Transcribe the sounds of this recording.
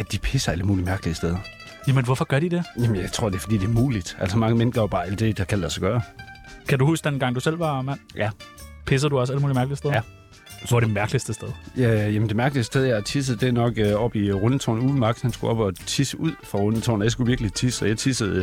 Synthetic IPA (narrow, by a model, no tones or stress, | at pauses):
æd̥ipʰesɐæləmṵːlimæɐɡ̥əliəsd̥eð̞ˠɐ | jæmənʋɒfɒ̽ɡ̥ɶɐdid̥e̝jæmənjɑ̈ɪt͡sʰʁo̝ɐ̰d̥efɒ̽dḭːd̥eæɐmuːlid̥ʔæl̰sɒmɑ̈ŋəmenɡ̥ɐob̥ɑ̈ːæl̰d̥e̝d̥ɑkʰæl̰d̥æsɒɡ̥ɶːɐkʰæduhusd̥enɡ̥ɑ̈ŋ̰d̥usel̰ʋɑ̈mæn̰jæpʰes̬əd̥uɒ̽s̬æləmuːlimæɐɡ̥li̥sd̥eð | ɒd̥emæɐɡ̥lisd̥əsd̥eðˠjæjæmənd̥emæɐɡ̥əlisd̥eðˠjɑɪt͡sʰis̬əð̩ˠd̥e̝nɒ̽ɡ̥øɒ̽b̥iʁɔnət͡sʰo̰ːnuːðˠn̩mɑ̈ɡ̥shænsɡ̥uɒ̽b̥ɒ̽t͡sʰisəʔuð̰ˠfʁɑ̈ʁɔnət͡sʰo̰ːnjasɡ̥uʋiɐɡ̥lit͡sʰisɒjɑɪt͡sʰisəð̩ˠ